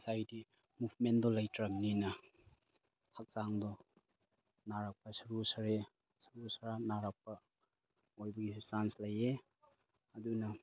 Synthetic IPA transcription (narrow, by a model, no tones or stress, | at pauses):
sajti | mupʰmendɔlɐjtʰɾɐmninɐ | hak̚saŋdɔ | naɾak̚pɐsɐɾusɐɾe | sɐɾusɐɾanaɾak̚pɐ | ojbɐɡisusanslɐje | ɐdunɐ